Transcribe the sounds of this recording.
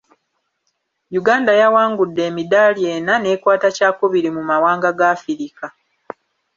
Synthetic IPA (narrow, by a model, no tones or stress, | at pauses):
juɡaːndajawaːŋɡudːe̞ːmidaːlje̞ːnane̞ːkwaːtacaːkuβiɾimumawaːŋɡaɡaːfiɾika